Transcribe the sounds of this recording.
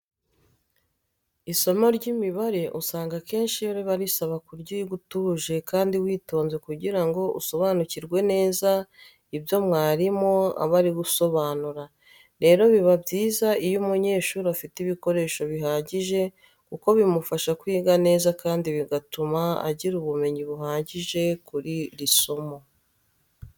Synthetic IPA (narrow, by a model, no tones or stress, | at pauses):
iso̞moɾɟimiβaɾe̞ʔusaːŋɡake̞ːnʃijoɾiβaɾisaβakuɾɟiiɡutuːʒe̞kaːndiwiːto̞ːnze̞kuɟiɾaŋɡo̞ʔṵso̞βanuciɾɡwe̞ne̞ːza | ibjo̞mŋaːɾimo̞a̰βaɾiɡuso̞βaːnuɾa | ɾe̞ːɾo̞βiβabɟiːzaijumuɲe̞ːʃuːɾuafitiβiko̞ɾe̞ːʃo̞βiɦaːɟiʒe̞ | kuko̞βimufaʃakwiːɡane̞ːzakaːndiβiɡatumaa̰ɟiɾuβume̞ɲiβuɦaːɟiʒe̞kuɾiɾisomo